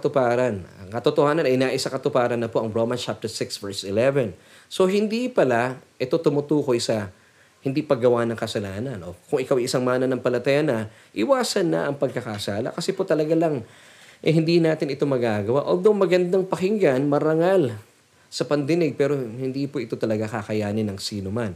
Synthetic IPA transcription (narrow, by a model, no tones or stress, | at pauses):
t̪ʊpaːɾɐnɐkɐt̪ot̪ohaːnɐnɐjnaːʔɪsakɐt̪ʊpaːɾɐnːɐpo̞ʔɐŋɹomɐnt͡ʃap̚t̪ɛɹsɪksvɛɹsɪlɛvɛn | so̞ɦɪnd̪ipɐlaʔɛt̪o̞t̪ʊmʊt̪uːko̞jsɐ | hɪnd̪ipɐɡɐwanɐŋkɐsɐlaːnɐnʔo̞kʊŋɪkawʔɐjʔɪsaŋmaːnɐnɐŋpɐlɐt̪ɐjanɐ | ʔɪwaːsɐnːɐ̰ʔɐŋpɐɡ̚kɐkɐʔsaːlɐ̰kɐsɛpo̞t̪ɐlɐɡalaŋ | ʔɛhɪnd̪inaːt̪ɪnɪt̪o̞mɐɡaɡɐwaʔold̪owmɐɡɐnd̪aŋpɐhɪŋɡanmɐɾɐŋal | sɐpɐnd̪ɪnɪɡ̚pɛːɾo̞hɪnd̪ipoʔɪt̪o̞t̪ɐlɐɡakakɐjaːnɪnɐŋsiːnoman